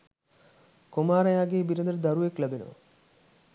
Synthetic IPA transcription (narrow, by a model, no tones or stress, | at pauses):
komaːɾɐjaːɡeːbiɾənd̪əɾəd̪aɾuʋeklæbenə̰ʋə̰